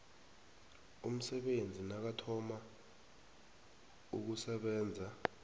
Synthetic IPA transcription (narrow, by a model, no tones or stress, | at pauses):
ṵm̩sɛɓend͡zʱinak̬atʰɔma | ṵk̬usɛɓɛːnd͡zʱa